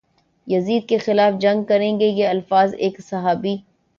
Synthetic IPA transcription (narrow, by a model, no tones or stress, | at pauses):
jɐziːd̪̚kexɪlaːfd͡ʒɐ̃ŋɡ̚kɐɾẽːɡejeɐlfaːzeːksɐɦaːbiː